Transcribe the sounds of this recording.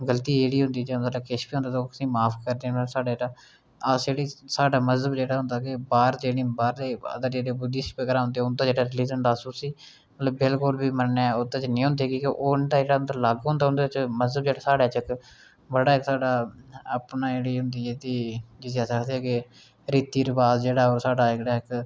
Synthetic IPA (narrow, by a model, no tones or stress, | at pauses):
ɡəlt̪iːeːɽiːɦʊ̃nd̪iːd͡ʒeəd̪ləbkɪʃbiːɦõnd̪aːt̪ːkəsĩːmaːpʰkəɾd̪eːsaːɖaːd͡ʒaː | əsd͡ʒeːɽiːsaːɖaːməzəbd͡ʒeːɽaːɦʊ̃nd̪aːkɪbaːɾd͡ʒeːɽĩːbaːɾleːə̰d̪əɾd͡ʒeːɽeːbʊd̪iːsipekəɾaːɦʊ̃nd̪eʊnd̪aːd͡ʒeːɽaːɾɪliːzɦʊ̃nd̪aːsuːsiː | mət̪ləbːɪlkʊlbiːməneːʊt̪ːẽːt͡ʃnĩːɦʊ̃nd̪eːkĩːkɪʔoːnd̪aːd͡ʒeːɽaːnt̪əlaɡɦʊ̃nd̪aːʊnd̪t͡ʃməzəbd͡ʒeːɽaːsaːɖaːt͡ʃɪk | bəɽaːɪksaːɖaːəpnaːd͡ʒeːɽiːɦʊnd̪iːɛːt̪iːd͡ʒɪseːəsəkd̪eɦɛːke | ɾiːt̪iːɾəbaːsd͡ʒeːɽaːoːɾsaːɖaːɪɡɽaːɪk